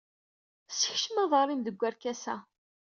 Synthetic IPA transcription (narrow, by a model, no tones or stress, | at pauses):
səçʃəməðˤəɾˤimðəɡʷːæɾkæsæ̰